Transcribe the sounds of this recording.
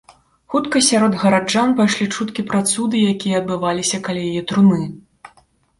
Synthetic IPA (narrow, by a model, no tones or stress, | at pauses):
xut̪kɐsʲaɾɔd̪ɣɐɾad͡ʐanpajʂlʲit͡ʂut̪kʲipɾat̪sud̪ɨjakʲijɐɐd̪̚bɨvalʲisʲɐkalʲajajɛt̪ɾunɨ